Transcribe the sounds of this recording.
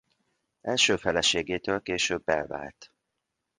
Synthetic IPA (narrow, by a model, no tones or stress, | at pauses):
ɛlʃøːfɛlɛʃeːɡeːt̪øːlkeːʃøbːɛlva̰ːlt̪